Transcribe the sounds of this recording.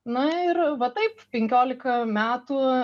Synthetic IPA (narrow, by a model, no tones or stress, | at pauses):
nʊɪɾʋɐt̪ɐɪppʲɛŋʲkʲoːlʲɪkɐmʲæːt̪uː